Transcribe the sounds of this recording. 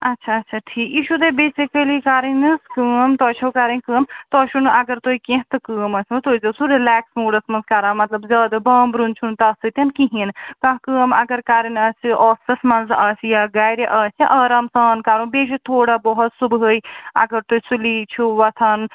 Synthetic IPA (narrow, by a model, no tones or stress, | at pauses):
ɐtːʃʰaːtːʃʰaʈʰiːkjiːʃut̪ebeːsikəlikaːɾinɨskəːmt̪ɔːt͡ʃʰɐwkaːɾinkəːmt̪ɔːʃunʔɐɡəɾt̪oikẽɦt̪ɐkəːmɐsʰnut̪oːizɐsuɾilaːksmuːɖɐsmɐnzkaːɾaːmːɐt̪lɐbzɐːd̪ɐbɐːmbɾunt͡ʃʰunt̪ɐsɨt̪ɐnkiɦinkãɦkəːmɐɡɐɾkaːɾinɐsiʔɔːsɐsmɐnzɐːsjaɡaːjɾeʔɐːsʰiʔɐːɾamsɐːnkaːɾũbeːʃ̬et̪ʰoːɽabɔɦut̪subʱɦəjɐ̰ɡəɾt̪oːisuliːt͡ʃʰuʋɐt̪ʰɐn